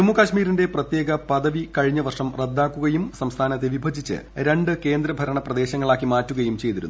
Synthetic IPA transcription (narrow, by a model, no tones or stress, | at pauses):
tumːukaɕmiːɾinde̞prɐt̪je̞ːɡɐpɐðɐʋikɐɻiɲːɐʋɐrʂɐmred̪ːaːkːuɣɐjumsɐmst̪ʰaːnɐt̪̬ːe̞ʋibʱɐd͡ʑʱit͡ɕːɨ̰ɾe̞ɳɖɨke̞ːnd̪ɾɐbʱɐɾɐɳɐprɐd̪e̞ːɕɐŋːɐɭaːkːimaːtːuɣɐjumt͡ɕe̞jt̪iɾṵnː